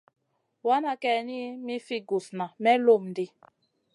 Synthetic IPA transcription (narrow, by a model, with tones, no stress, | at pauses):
wa˦na˦kɛ˨ni˦mi˦fi˦ɡu˨sna˨mɛ˦lo˦˨mn˨di˦